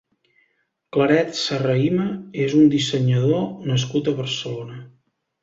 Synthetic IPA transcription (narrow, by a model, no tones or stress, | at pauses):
kləɾɛt̪sərəiməezund̪isəɲəð̞onəs̬kut̪əβəɾsəlonə